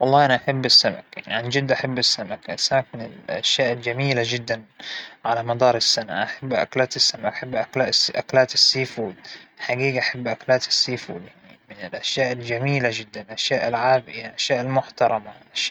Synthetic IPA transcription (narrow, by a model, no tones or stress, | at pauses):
wɑlˤːɑːʔanaʔaħabːɪsːama̰kja̰ʕniʕand͡ʒɪd̪ːʔaħabːɪsːamakasːamakmɪnɪ̰lʔa̰ʃjaːʔɪld͡ʒamiːlad͡ʒɪd̪ːanʕalamɑd̪ɑːɾˤɪsːana̰ʔaħabːʔa̰klaːt̪ɪsːamakaħabːʔaklaːʔʔaklaːt̪ɪsːiːfuːd̪ħaɡiːɡaʔaħabːʔaklaːt̪ɪ̥sːiːfṵːd̪jaʕnimɪnɪlʔaʃjaːʔld͡ʒamiːlad͡ʒɪd̪ːanʔaʃjaːʔɪlʕaːbɪjaʔaʃjaːʔɪlmʊħt̪ɑɾˤɑmaʔaʃaːʔ